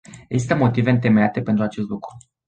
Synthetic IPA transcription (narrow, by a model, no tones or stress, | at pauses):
eɡzist̪əmo̞t̪iveɨnt̪e̞meat̪e̞pe̞nt̪ɾuat͡ʃe̞st̪lukɾu